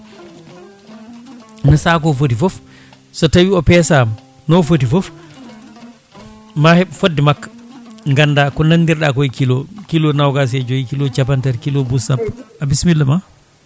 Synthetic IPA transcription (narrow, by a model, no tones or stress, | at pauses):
nasakɔfot̬ifɔf | sɔtawiɔpɛsam | nɔfot̬ifɔf | mahɛɓfodːimakːḁŋɡanːdakɔnanːdiɾɗakojikilɔkilɔnawɡas̬ɛd͡ʒojikilɔt͡ʃapantaɾkilɔbusapːʔabismilːama